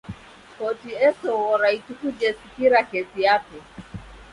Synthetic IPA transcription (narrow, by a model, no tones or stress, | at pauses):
kɔtiɛsɔwɔɾaitukud͡ʒɛsikiɾakɛsijakɛ